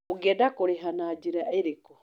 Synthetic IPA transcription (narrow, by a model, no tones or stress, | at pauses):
oɡɛdakoɾeɦanad͡ʒiɾaeɾekɔ